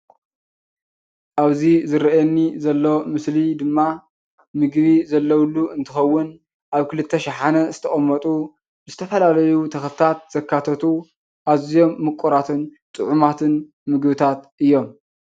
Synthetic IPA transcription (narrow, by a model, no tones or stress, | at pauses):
ʔaβzizɨɾɐɛnːizɐlːo̞mɨslid̪ɨmːa | mɨɡβizɐlːɐwlːuɨnt̪ʰɨxɐwːʊn | ʔaβkɨlɨt̪ʰːɐʃɪħanɐzɨt̪ʰɐχʼɐmːɐt̪ʼu | bɨzɨt̪ʰɐfɐlalɐjut̪ʰɐxlɨt̪ʰat̪̚z̥ɐkʰːat̪ʰɐt̪ʰu | ʔaβzijo̞mːɨkʼːuɾat̪ʰɨnt̪ʼɨʕumat̪ʰɨn | mɨɡβɨt̪ʰat̪ʔɨjːo̞m